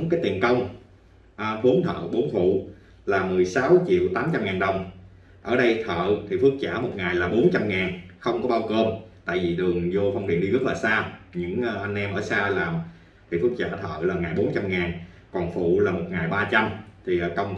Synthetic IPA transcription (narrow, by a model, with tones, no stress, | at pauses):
ŋ͡mkaː˨˦jt̪i˨˩ənkə˧wŋ͡m | ʔə˨˩ɓo˨˦nt̪ʰə̰ː˧˨ɓo˨˦nfṵ˧˨ | laː˨˩mɨ˨˩əjsa˨˦wt͡ɕḭ˧˨əwt̪aː˨˦mt͡ɕa˧mŋaː˨˩nɗə˨˩wŋ͡m | ʔəː˧˩ɗə˧jt̪ʰə̰ː˧˨t̪ʰi˨˩fɨ˦˥ək̚za̰ː˧˩mo˨˩t̚ŋaː˨˩jlaː˨˩ɓo˨˦nt͡ɕa˧mŋaː˨˩nxə˧wŋ͡mkɔ˨˦ɓaː˧wkəː˧mt̪a̰ː˧˨jvi˨˩ɗɨ˨˩əŋzo˧fə˧wŋ͡mɗḭ˨˧˩ən̚ɗi˧ɣə˦˥t̚laː˨˩saː˧ɲɨ̰˧˥ŋʔːʔa˧jŋ̟ʔɛ˧mʔəː˧˩saː˧laː˨˩m | t̪ʰi˨˩fɨ˦˥ək̚za̰ː˧˩t̪ʰə̰ː˧˨laː˨˩ŋaː˨˩jɓo˨˦nt͡ɕa˧mŋaː˨˩n | kɔ˨˩nfṵ˧˨laː˨˩mo˨˩t̚ŋaː˨˩jɓaː˧t͡ɕa˧mt̪ʰi˨˩ʔkə˧wŋ͡m